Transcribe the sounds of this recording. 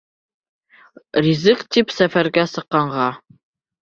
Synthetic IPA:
rʲizɘkt̪ipsæfæɾɡæsɤ̆qːɑɴʁɑ

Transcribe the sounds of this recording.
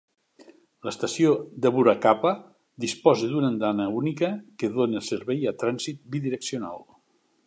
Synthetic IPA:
ləst̪əsiod̪əβuɾakapə | d̪ispɔzəðunənd̪anəunikəkəðoneəlˠsəɾβɛjat̪ɾanzit̪̚biðiɾəksiona̰lˠ

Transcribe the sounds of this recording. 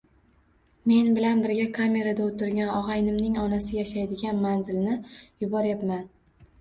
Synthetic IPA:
me̞nbɪlanbɪɾɡʲakʰamʲe̞ɾad̪aot̪ɪɾɡʲanɒʁɑjnɪmnɪŋɒnasɪjaʃajd̪ɪɡʲanmanzɪlnɪjʊbɒɾjapman

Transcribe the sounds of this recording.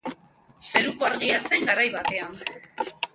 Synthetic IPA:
se̞ɾukoaɾɣiase̞ŋɡaɾajβat̪e̞an

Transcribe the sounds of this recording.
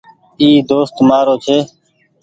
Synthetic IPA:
iːd̪oːst̪maːɾoːt͡ʃʰeː

